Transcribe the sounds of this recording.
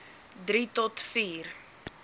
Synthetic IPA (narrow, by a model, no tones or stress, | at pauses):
dɾitɔtfiːr